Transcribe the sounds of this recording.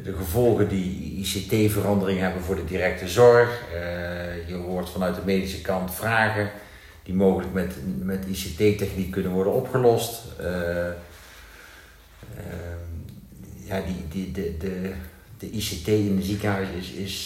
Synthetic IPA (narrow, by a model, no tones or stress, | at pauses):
dəɣəvɔlˠɣədi | isetejvərɑndərɪŋəɦɛbənvʊːɹdədiːrɛk̚təzɔɹχ | jəʋɔɹtfɑnœɥt̚dəmejdisəkɑntfraːɣə | dimowɣələkmɛtmɛtisetejtɛxnikːɵnənʋɔɹdənɔpχəlɔst | jaːdiddədə | d̥əʔisetejɪnətzikəɦœɥsɪsɪs